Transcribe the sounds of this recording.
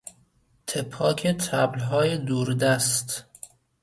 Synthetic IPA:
t̪ʰepʰːɒːkʰet̪ʰæblɦɒːjed̪uːɾd̪æst̪

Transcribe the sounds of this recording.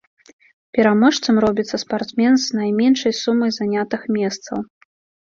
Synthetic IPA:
pʲɛɾamɔʂt̪sɐmɾɔbʲit̪sːɐspart̪smʲɛnznajmʲɛnʂɐjsumːɨjzanʲat̪ɨxmʲɛst̪sɐ̰w

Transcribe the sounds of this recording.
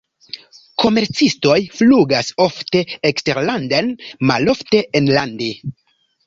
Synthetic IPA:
kʰo̞me̞ɾt͡sisto̞jfluɡaso̞fte̞ekste̞ɾlandanmalo̞fte̞ʔenlande

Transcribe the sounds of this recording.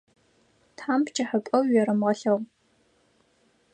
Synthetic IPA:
tħaːmpt͡ʃʰʼɐħəpʷʼɐwɥɛɾɐmʁɐɬɐʁ

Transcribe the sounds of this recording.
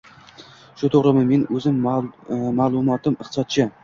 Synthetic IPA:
ʃʊt̪ʰoʁɾɪmɪme̞nɵzɪm | malˠʊmɒt̪ʰɪmɪχt̪ɨ̥sɒt̪̚t͡ʃʰɪ

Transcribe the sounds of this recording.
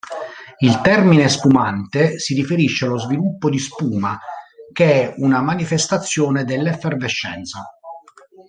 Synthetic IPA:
ilt̪ɛrminespumant̪esiɾifeɾiʃːealozvilupːod̪ispuːmakeɛunamanifest̪at̪sːjɔːned̪elːeferveʃːɛ̰nt̪sa

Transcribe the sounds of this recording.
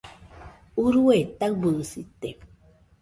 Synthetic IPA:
uɾuet̪ak̚bɨsit̪e

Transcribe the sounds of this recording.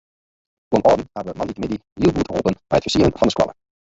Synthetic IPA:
fuənʔɔɹdən̩habəmɑnitəmɪdinilˠbutəɦuːpənbɛjətfəsiələnfɑndəskwɑ̰lə̰

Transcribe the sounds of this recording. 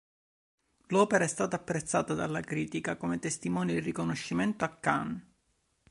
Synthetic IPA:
lɔːpeɾaɛst̪aːt̪aːpːɾet̪sːaːt̪ad̪a̰lːakɾiːt̪ikakomet̪est̪imɔːnid̪irikonoʃːimɛnt̪oakːa̰n

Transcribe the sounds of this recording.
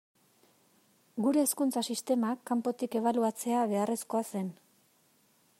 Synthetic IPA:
ɡuɾe̞ːskunt͡sasist̪e̞makːampo̞t̪ike̞β̞aluat͡se̞aβe̞are̞sko̞ase̞n

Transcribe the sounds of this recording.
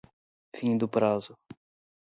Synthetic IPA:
fĩd̪ʊpɾazʊ

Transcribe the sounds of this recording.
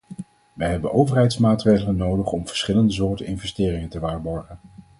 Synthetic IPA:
ʋɛjɦɛbənʔowvərɦɛjtsmaːtrejχələnowdəχɔmvəɹsχɪləndəzʊːɹtənɪnvɛstɪːrɪŋəntəʋaːɹbɔɹχən

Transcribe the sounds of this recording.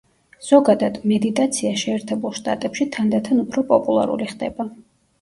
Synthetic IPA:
z̥ɔɡad̪ad̪̥mɛd̪it̪ʼat̪sʰiaʃɛːɾt̪ʰɛbulˠʃt̪ʼa̰t̪ʼɛpʃit̪ʰand̪at̪ʰanupʰɾɔpʼɔpʼulˠa̰ɾṵliχd̪ɛ̰ba

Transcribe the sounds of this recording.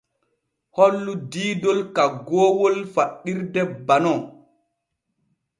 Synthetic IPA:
hɔlːudiːdolkaɡoːwolfaɗːiɾdɛbanɔ

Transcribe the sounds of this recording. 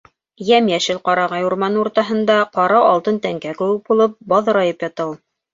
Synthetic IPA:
jæmjæʃɘlqɑɾɑʁɑjuɾmɑnuɾt̪ɑɦɤ̆nd̪ɑqɑɾɑɑlˠt̪ɤnt̪æŋkækɘ̆wɘk̚bulˠɤp̚bɑðɤ̆ɾɑjɤpjɑt̪ɤw̪ˠ

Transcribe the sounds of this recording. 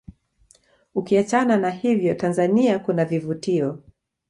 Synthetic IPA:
ukiat͡ʃananahivjɔtanzaniakunavivutiɔ

